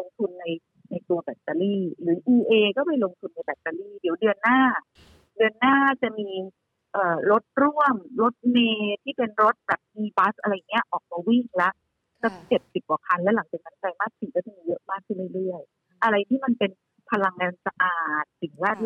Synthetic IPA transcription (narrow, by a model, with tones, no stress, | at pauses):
lo˧ŋt̪ʰu˧nːa˧j | na˧jt̪u˧ɐbɛː˨˩t̚t̪ːaː˧liː˥˩ɾɯː˩˦ʔiː˧ʔeː˧kɔː˥˩pa˧jlo˧ŋt̪ʰu˧nːa˧jbɛː˨˩t̚t̪aː˧liː˥˩di˨˩˦wdɯ˧ənːaː˥˩ | dɯ˧ənːaː˥˩t͡ɕa˨˩ʔmiː˧ | ʔɤː˨˩ɾo˦˥t̪̚ɾu˥˩əmɾo˦˥t̪̚meː˧t̪ʰiː˥˩pe˧nɾo˦˥t̪̚bɛː˨˩p̚ʔiː˧ba˦˥sʔa˧ɾa˧jːa˨˩ŋːi˦˥ɐ˧ʔɔː˨˩k̚maː˧wi˥˩ŋla˦˥ʔ | kɔː˥˩˥t͡ɕe˨˩t̪̚si˨˩p̚ka˨˩kʰa˧nlɛ˦˥wla˨˩˦ŋt͡ɕaː˨˩na˦˥nka˧jmaː˥˩k̚si˨˩ŋkːɔː˥˩t͡ɕɔ˧˩ŋmiː˧jɤ˦˥ʔmaː˥˩kʰːɯ˥˩nlɯ˦˥˩ɾɯ˥˩əj | ʔa˧ɾa˧jt̪ʰiː˥˩ma˧npe˧n | pʰa˧la˧ŋːaː˧nsa˧ʔaː˨˩t̪̚si˨˩˦ŋwaː˥˩t̪̚